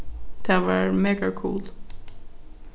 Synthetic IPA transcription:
d̪̥ɛʋɑɹmeːɡakʰṵːl

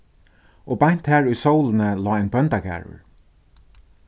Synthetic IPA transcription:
obajn̥t̪hæːɹʊjsowlɪnəlɔːaɪnbœnt̪akæ̰ːɹʊ̰ɹ

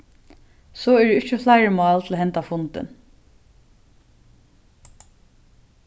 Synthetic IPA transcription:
sɔːɛɖʉːɪt͡ʃːəflaɪɹəmɑːlt̪ʰɪl̩ohɛnt̪afʊnt̪ɪ̰n

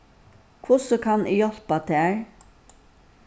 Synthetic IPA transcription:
kʰvʊsɔkʰanɪjɔl̥pat̪ʰɛːɹ

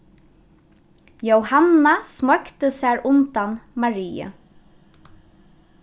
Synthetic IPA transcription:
jowhanːasmɔkt̪əsæːɹʊnt̪anmaɹiːə̰

